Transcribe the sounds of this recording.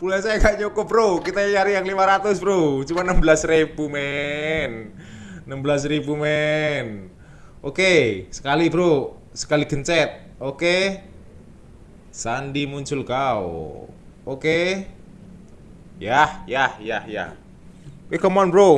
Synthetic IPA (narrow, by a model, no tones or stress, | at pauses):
pulasajakaɲokɔbɾokit̪ajaɾijaŋlimaɾat̪ʊsbəɾot͡ʃumanəmbəlasɾeb̥umɛnː | əmbəlas̬ribumɛn | okesə̥kalibəɾo | sə̥kaliɡəɲt͡ʃɛt̪̚ | oke | sandimuɲt͡ʃʊlkao̰ | oke | jahjahja̰hja̰h | ekɔmɔnbɾo